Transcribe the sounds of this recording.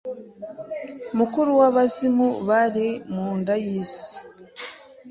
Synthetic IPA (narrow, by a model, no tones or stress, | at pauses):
mukuɾuwaβasimuβaɾemuːndajisi̥